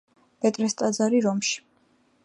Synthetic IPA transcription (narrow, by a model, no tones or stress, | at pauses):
bɛt̪ʼɾɛst̪ʼad̪zaɾiɾɔmʃi̥